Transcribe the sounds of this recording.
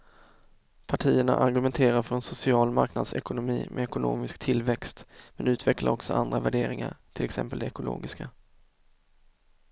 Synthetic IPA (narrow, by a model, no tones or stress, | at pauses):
pʰaʈʰiːəɳa̰ʔaɾɡɵmɛnt̪ʰeːɾaɾfœɾɛnsʊsɪɑːlmaɾknad̪sɛkʊnʊmiːmʔɛɛkʊno̰ːmɪskt̪ʰɪlvɛkst̪mɛnʉ̟ːt̪ʰvɛklaɾɔksɔʔand̪ɾavæɖeːɾɪŋa̰ɾt̪ʰɪlɛksɛ̰mpəld̪ɛɛkʊlo̰ːɡɪska